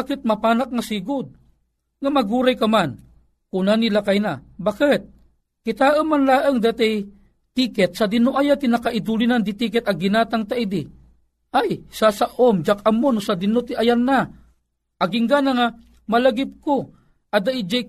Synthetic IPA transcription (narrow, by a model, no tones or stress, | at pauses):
akɪt̪̚mɐpaːnak̚ŋasiːɡʊd̪̚ | ŋamɐɡuːɾajkaman | kunanilakajnabakɪt̪̚ | kɪt̪aːʔəmːanlaːʔəŋd̪at̪aj | t̪ikɛt̪̚sad̪ɪnoʔajat̪inakaʔɪd̪ulinand̪it̪ikɛt̪aɡinaːt̪aŋt̪aid̪i | ajsasaʔomd͡ʒakamonosad̪ɪnot̪iʔajanːa | ʔaɡɪŋɡanaŋa | malaɡɪp̚ko | ʔad̪aʔid͡ʒa